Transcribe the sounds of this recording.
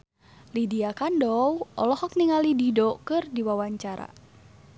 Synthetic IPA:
lidiakandɔwʔɔlɔhɔk̚niŋalididɔkɨrdiwawaɲt͡ʃaɾa̰

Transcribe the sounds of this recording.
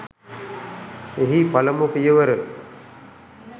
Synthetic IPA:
eɦipɐlɐmukijɐʋɐɾɯ

